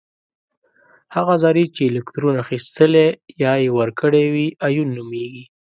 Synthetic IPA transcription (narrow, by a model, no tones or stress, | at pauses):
haɣazɑɾit͡ʃeːlɪkt̪ɾunaxist̪əlejɑjewəɾkəɽewiajunːumeɡi